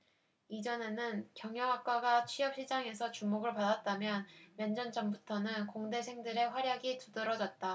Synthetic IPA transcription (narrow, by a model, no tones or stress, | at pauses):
id͡ʑʌne̞nɯnkjʌŋjʌɦak̚k͈aɡat͡ɕʰɥiʌp̚ɕ͈ʰid͡ʑaŋe̞sʰʌt͡ɕumoɡɯɭpadat̚t͈amjʌnwend͡ʑʌnd͡ʑʌmbutʰʌnɯnkoŋde̞sʰe̞ŋdɯɾe̞ɸwaɾjaɡitudɯɾʌd͡ʑʌt̚t͈a